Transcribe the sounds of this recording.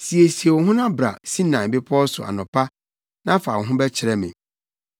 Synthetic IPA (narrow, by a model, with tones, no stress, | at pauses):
si˨e˨si˨e˨wɔ˨ɦʊ̃˦nã˦bɾa̰˨sĩ˦nã˨bɪ˦pʰɔ˦sʊ̰˨a̰˨nʊ̃˨pʰa˦ | nã˦fa˨wɔ˨ɦʊ̃˦bɛ˦t͡ɕʰɪ˨ɾɛ˦mɪ̰̃˨